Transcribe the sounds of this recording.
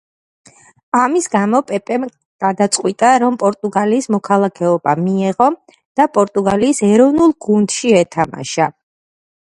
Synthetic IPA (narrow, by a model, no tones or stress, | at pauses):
amisɡamɔpʼɛpʼɛm | ɡ̥ad̪at̪sʼqʼwit̪ʼaɾɔmpʼɔɾt̪ʼuɡaliːsmɔkʰalˠakʰɛɔbamiɛʁɔ | d̪̥apʼɔɾt̪ʼuɡaliːsɛɾɔvnulˠɡund̪̥ʃiɛt̪ʰama̰ʃa